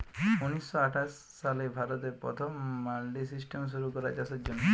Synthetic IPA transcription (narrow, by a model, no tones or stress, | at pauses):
unisːɔaʈʰaʃːalebʱaɾɔt̪eɾpɾɔ̰t̪ʰɔmːalɖisisʈemʃ̬uɾukɔɾad͡ʒasɔd͡ʒon